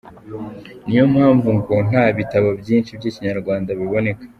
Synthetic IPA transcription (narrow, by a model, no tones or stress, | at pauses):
nijo̞mhaːɱvuŋɡon̥haβitaβabjiːnʃibjiːciɲaɾɡwaːndaβiβo̞ne̞kḁ